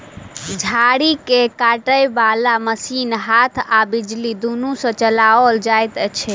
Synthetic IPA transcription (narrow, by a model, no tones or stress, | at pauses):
d͡ʒʱaɽikekaʈəjbalaməsinɦat̪ʰabid͡ʒlid̪unũsə̃t͡ʃəlaold͡ʒajt̪ət͡ʃʰɛ